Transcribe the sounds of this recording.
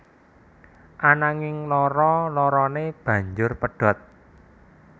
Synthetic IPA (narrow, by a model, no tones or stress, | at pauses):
ʔanaŋɪŋlɔɾɔlɔɾɔneb̥ä̤ɲd͡ʒʊrpəɖ̥ɔ̤t̪̚